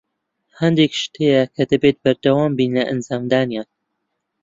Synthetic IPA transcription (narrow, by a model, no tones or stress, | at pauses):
hɐnd̪ekʃt̪ʰejɐkʰɐd̪ɐbet̪̚bɐɾd̪ɐwaːmbiːnlɐʔɐnzaːmd̪aːnjaːn